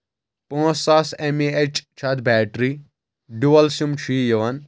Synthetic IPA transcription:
pũːsasemiet͡ʃt͡ʃʰɐt̪ʰbɛːʈɾi | ɖuʋɐlsjumt͡ʃʰiːjɐʋɐn

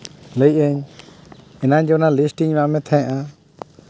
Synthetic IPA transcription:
ləjc̚əɲ | ɛnaɲd͡ʒɔnalisʈiɲmaʔmɛt̪ʰɛ̃jʔa

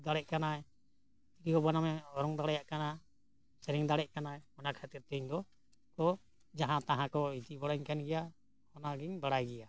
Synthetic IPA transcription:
d̪aɽɛʔ̚kanaj | t̪ikikɔbanamɛɔɾɔŋd̪aɽajaʔkana | sɛɾiŋd̪aɽɛʔ̚kanaɔnakʰat̪iɾt̪ɛɲd̪ɔ | kɔ | d͡ʒaɦãt̪ãɦãkɔid͡ʒ̪ibɔɽaɲkanɡɛja | hɔnaɡiɲbaɽajɡɛja

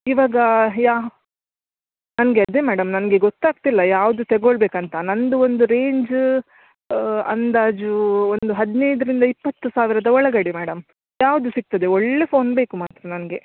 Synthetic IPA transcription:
iʋaːɡɐjaː | nɐnɐɡeɐd̪emæːɽɐmnɐnɐɡe̞ɡot̪ːaːɡ̚t̪ilːɐjaːʋud̪ut̪eɡoɭbeːkɐnt̪ɐnɐnd̪uo̞nd̪uɾe̞ːɲd͡ʒ | ɐ̰nd̪aːd͡ʒuond̪uɦɐd̪inejd̪ɐɾind̪ɐipːɐt̪ːusaːʋiɾɐd̪ɐɔɭɐɡɐɽemæːɽɐm | jaːʋɐd̪usik̚t̪ɐd̪e̞oɭːe̞pʰo̞ːnbe̞ːkumaːt̪ɾɐnɐnɐɡe̞

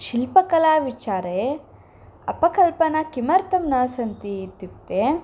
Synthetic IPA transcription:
ʃilpɐkɐlaːʋit͡ʃaːɾe | ɐpɐkɐlpɐnɐkimɐɾt̪ɐmnɐsɐnt̪iːt̪ːukt̪ːe

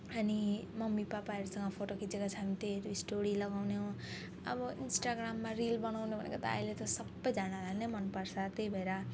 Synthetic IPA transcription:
ʌnimʌmːipapaeɾsʌ̃ŋɡʌpʰoʈokit͡sekat͡sʰamit̪eɾisʈoɾilʌɡawneɦũ | ʌ̰bʌinsʈaɡɾamːaɾilbʌnawnebʱʌnḛket̪a̰ilet̪ɔsʌbːʌjd͡zanalʱalnemʌnpʌɾsʰat̪eibʱeɾa

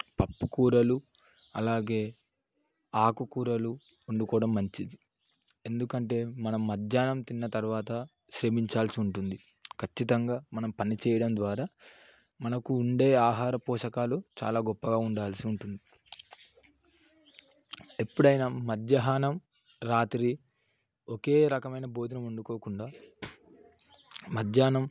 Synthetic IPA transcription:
pɐpːukuːɾɐlu | ɐlaːɡe̞ː | aːkukuːɾɐlu | uɳɖukɔːɽɐmːɐɲt͡ʃid̪i | e̞nd̪ukɐɳʈe̞ːmɐnɐmːɐd̪jaːnɐmt̪inːɐt̪ɐɾʋaːt̪ɐ | ʃɾemiɲt͡ʃaːlsiuɳʈund̪i | kʰɐt͡ʃːit̪ɐŋɡaːmɐnɐmpɐnit͡ʃɛːjɐɽɐnd̪ʋaːɾaː | mɐnɐkuːɳɖeːaːɦaːɾɐpɔːʂɐkaːlut͡ʃa̰ːlaːɡɔpːɐɡaːuɳɖaːlsiuɳʈund̪i | epːuɽɐjnɐmɐd̪jɐɦaːnɐm | ɾaːt̪ɾi | oke̞ːɾɐkɐmɐjnɐbo̞ːd̪ʱɐnɐmuɳɖukoːkuɳɖaː | mɐd̪jaːnɐm

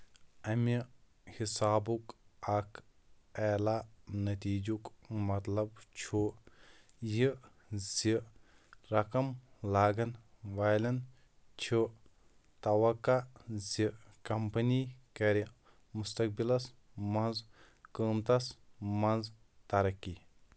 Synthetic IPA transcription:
ɐmi | hisaːbukɐkʰ | ɛːlanɐt̪iːd͡ʒukmɐt̪lɐbt͡ʃʰuː | ji | zi | ɾɐkɐmlaːɡɐnʋaːjlɐn | t͡ʃʰu | t̪ɐʋɐkːazikɐmpɐnikɐɾi | must̪ɐk̚bilɐs | mɐnz | kəːmt̪ɐsmɐnz | t̪ɐɾɐkːi

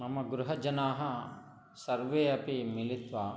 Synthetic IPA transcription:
nɐmɐɡɾuɦɐd͡ʒɐnaːɦɐ | sɐɾʋeːɐpimilit̪ʋa

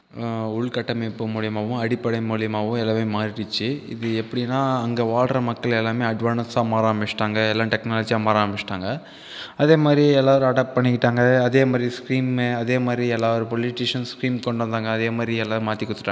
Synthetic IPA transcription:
ʊɭkɐʈːɐmɐpːɯmuːɭɪjɐmaːʋɯ̃ɐɽɪpːɐɽɐɪmuːɭɪjɐmaːʋɯ̃ɛlːɐːmeːmaːɾɪʈɯt͡ʃːɯɪ̰ðɯɛpːɐɽɪnːaːɐŋɡɐʋaːɭɾɐmɐkːɐɭɛlːaːmeːɐɖʋaːnɐsaːmaːɾaːmbɪt͡ʃːʈaːŋɡɐɛlːãːʈɛknaːlɐd͡ʒijaːmaːɾaːmbɪt͡ʃːʈaːŋɡɐ | ɐðeːmaːd̪ɾiɛlːaːʋɐɾɯ̃ɐɽaːʈ̚pɐɳːɪkːɪʈːaːŋɡɐːðeːmaːd̪ɾiskɾiːmeɐðeːmaːd̪ɾiɛlːaːʋɐɾɯ̃pɔlɪʈiːʂɐnskɾiːmkɔɳɖɐ̃nd̪aːŋɡɐːðeːmaːd̪ɾiɛlːaːðɯmaːt̪ːɪkːɔt̪ːɯ̥ʈːaː

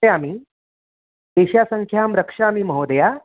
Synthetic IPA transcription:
amiː | d̪eɕjasəŋkʰjamɾəkʂaːmiːməɦod̪əja

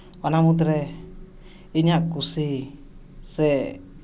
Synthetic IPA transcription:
wanamut̪̬ɾe | iɲakusi | sɛ

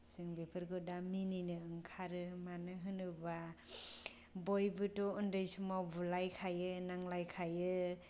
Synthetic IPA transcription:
sɯŋbepʰɯɾɡɯdamininɯɯŋkʰaɾɯmanɯɦɯnɯba | bɔjbɯtɔundɯjsumabulajkʰajɯnaŋlajkʰajɯ

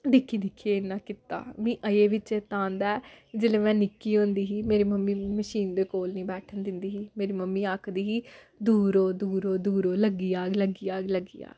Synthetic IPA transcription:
d̪ɪkʰːiːd̪ɪkʰːieːnːãːkɪt̪a̰ːmĩːʔəeːʋɪt͡ʃeːt̪ãːnd̪aːɛd͡ʒeːleːmɛ̃ːnɪkːiːõːnd̪iːɦiːmeːɾiːməmːĩːməʃiːnd̪eːkoːlnĩːbɛːʈʰənd̪ɪnd̪iːɦiːmeːɾiːməmːĩːaːkʰd̪iːɦiː | d̪uːɾoːd̪uːɾoːd̪uːɾoːləɡiːaːɡləɡiːaːɡləɡiːa̰ː

